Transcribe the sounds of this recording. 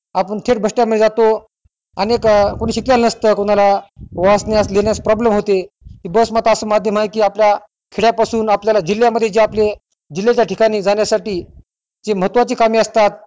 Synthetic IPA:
apəɳt̪ʰeʈ̚bʱəʂʈjaməd̪ʱjed͡zat̪o | ənekkoɽ̃iɕikjalnəst̪əkoɽ̃alaʋasnjaslenjaspɾɔblemɦot̪e | k̪iːbəsmat̪aəsəːmad̪ʱjəmɦajkiːaplja | kʰeɽjapasuːnapljalad͡ʑilːjaməd̪ʱːjed͡ʑeaple | d͡ʑilːet͡ɕjaʈʰikaɽ̃iːd͡zaɳjasaʈiː | d͡zeməɦət̪ʋat͡ɕiːkamiːəst̪at̪̚

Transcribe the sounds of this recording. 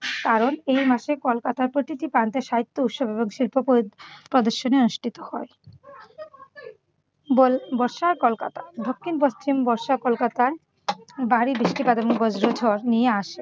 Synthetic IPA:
kaɾonejmaʃekolkat̪aɾpɾot̪it̪ipɾant̪eʃaɦit̪ːout̪ʃobeboŋʃilpopopɾod̪oɾʃoneonuʃʈʰit̪ohɔe | bolbɔɾʃakolkat̪ad̪okʰːinpost͡ɕimbɔɾʃakolkat̪ae | baɾibɾiʃʈipad̪eboŋɡod͡ʑɾod͡ʑʱɔɾnijeaʃe

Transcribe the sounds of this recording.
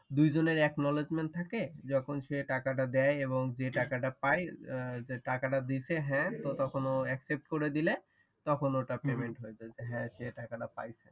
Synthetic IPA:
d̪ujd͡ʑoneɾɛknɔled͡ʑmeɳʈ̚t̪ʰaked͡ʑɔkʰonʃeʈakaʈ̬ad̪ɛjeβoŋd͡ʑeʈakaʈapajd͡ʑeʈakaʈad̪it͡ɕʰeɦɛ̃t̪ot̪ɔkʰonoɛksep̚ʈkoɾed̪ile | t̪ɔkʰonoʈapemeɳʈɦoed͡ʑaed͡ʑeɦɛ̃ʃeʈakaʈapa̰jt͡ɕʰe

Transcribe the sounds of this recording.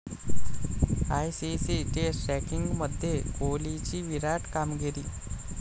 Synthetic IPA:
ajsisiʈesʈɾɛkiŋɡməd̪ʱjekolit͡ɕiːʋiɾaʈkamɡeɾiː

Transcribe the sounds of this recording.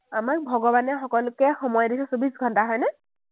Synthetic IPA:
amak̚bʱɔɡɔbanɛxɔkɔlʊkɛxɔmɔjdisɛsobisɡʱɔntaɦɔjnɛ

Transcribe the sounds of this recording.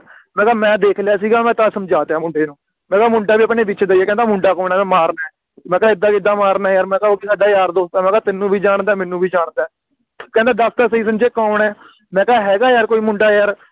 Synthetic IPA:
mɛ̃ːkaːmɛ̃ːd̪eːkʰlɪjaːsiːɡaːmɛ̃ːt̪ãːsəmd͡ʒaːt̪ejãːmʊɳɖeːnũː | mɛ̃ːkaːmʊɳɖaːbiːəpneːbɪt͡ʃːd̪aieːkɛ̃ːnd̪aːmʊɳɖaːkɔːnaːmɛ̃ːmaːɾnaːɦɛː | mɛ̃ːkɛɪd̪aːkɪd̪ːãːmaːɾnaːɦɛjaːɾmɛ̃ːkaːoːkɪsaːɖaːjaːɾd̪oːt̪ãːmɛ̃ːkaːt̪ɪnːũːbʱiːd͡ʒaːɳd̪aːmɪnːũːbʱiːd͡ʒaːɳd̪aː | kɛ̃ːnd̪aːd̪əst̪aːsəiːs̬ənt͡ʃeːkaːɳɛː | mɛ̃ːkɛːɦɛːɡaːjaːɾkoːiːmʊɳɖaːjaɾ

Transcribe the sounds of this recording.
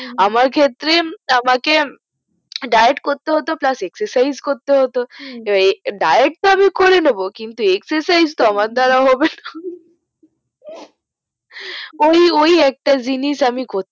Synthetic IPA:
amaɾkʰet̪ːɾeamake | ɖajeʈkoɾt̪eɦɔt̪oplasekseɾsajzkoɾt̪eɦot̪oebaeɖajeʈ̚t̪oamikoɾenobokint̪uekseɾsajzt̪oamaɾd̪ʱaɾaoɦɔbena | oiojɛk̚ʈad͡ʑiniʃamiɡʱot̪

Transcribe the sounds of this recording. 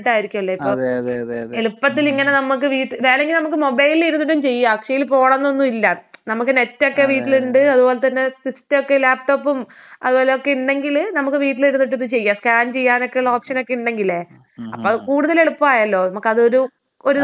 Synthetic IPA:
ʈːaːjiɾikʲːumɐlːoiːoː | eɭupːɐt̪̬ːiliŋːɐne̞nɐmːuk̬ːɨʋiːʈːʋe̞ːleŋɡilnɐmukːɨmo̞bɐjliliɾunːiʈ̬ːumt͡ɕe̞jːaɐkʂejilpo̞ːɽɐnːo̞nːuilːɐnɐmukːɨne̞tːo̞kːe̞ʋiːʈːiluɳɖɨɐðubo̞ːle̞t̪ɐnːe̞sistːɨokːe̞laːp̚ʈo̞ːpːum | ɐ̰ðubo̞ːle̞okːeuɳɖe̞ŋɡilnɐmukːɨʋiːʈːiliɾunːiʈːut̪ːɨt͡ɕe̞jːɐskaːnt͡ɕe̞jːaːno̞kːe̞juɭːɐo̞ːpʂɐno̞kːe̞uɳɖe̞ŋɡileː | ɐpːoːkuːɽuðɐle̞ɭupːaːjɐlːo̞ːnɐmukːɐðɨo̞ɾu | oɾu

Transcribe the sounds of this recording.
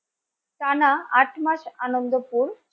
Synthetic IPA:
t̪anaaʈʰmat͡ɕanomd̪əpuːɾ

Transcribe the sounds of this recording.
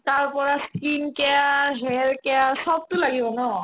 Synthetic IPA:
taɹpɔɹaskinkɛjaɦɛɹkɛasɔb̚tʊlaɡibɔnɔ

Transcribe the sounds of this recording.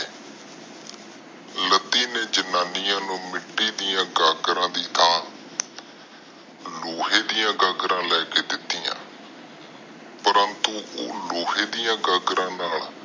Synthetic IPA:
lət̪iːneːd͡ʒənaːnɪjãːnũːmɪʈːiːd̪ɪjãːɡaːɡɾãːd̪iːt̪ʰaːn | loːɦeːd̪ɪjãːɡaːɡɾãːlɛːkeːd̪ɪt̪ːiːã̰ː | pəɾənt̪uːʔo̰ːloːɦeːd̪ɪjãːɡaːɡɾãːnaːl

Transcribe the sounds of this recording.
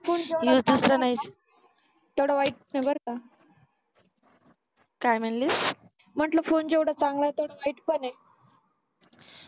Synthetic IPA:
fonjusd̪əst̪ɾanaɦit̪ | t̪ewɽaʋaiʈ̚nabəɾka | kajm̤əɳlis | m̤əʈlofond͡ʑewɽat͡saŋɡlajt̪oɽaʋaiʈpəɳe

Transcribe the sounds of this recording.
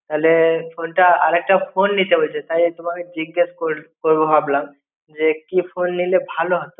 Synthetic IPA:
t̪alepʰonʈaa̰ɾek̚ʈapʰonːit̪ebʱojt͡ɕʰet̪ajt̪omaked͡ʑiɡːeskoɾkoɾboɦablaŋ | d͡ʑekipʰonːilebʱaloɦɔt̪o

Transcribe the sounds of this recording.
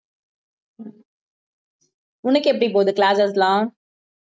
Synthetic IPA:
ʊnɐkːɯɛpːɐɽipoːðɯklaːsɐslãː

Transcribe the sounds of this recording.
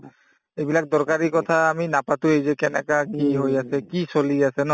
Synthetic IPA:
ejbilak̚dɔɹkaɹikɔt̪ʰaːminapatʊejzɛkɛnɛ̰kakiɦojasɛkisoliasɛnɔ

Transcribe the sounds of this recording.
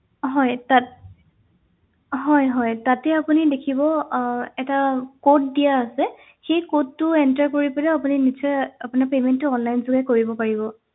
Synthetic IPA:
ɦɔjtat | ɦɔjɦɔjtatɛapunidekʰibɔɛtakot̚dijaːsɛ | xejkotːʊɛntaɹkoɹipɔlɛapuninisʰɔapʊnapementːʊɔnlajnzuɡɛkoɹibɔpaɹibɔ

